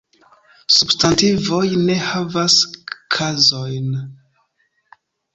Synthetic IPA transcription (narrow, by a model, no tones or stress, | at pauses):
substantivo̞jne̞havaskʰazo̞jn